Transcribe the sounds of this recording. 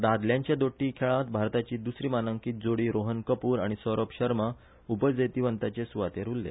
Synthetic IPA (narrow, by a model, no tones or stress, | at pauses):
d̪ad̪ljãɲt͡ɕjad̪oʈːiːkʰeɭãt̪bʱaɾt̪at͡ɕiːd̪usɾiːmanəŋkiːt̪̚d͡zoɽiːɾoɦənkəpuːɾa̰ɽ̃isəɾopɕəɾmə | upəd͡zet̪iːʋənt̪at͡ɕesuʋat̪eɾulːḛ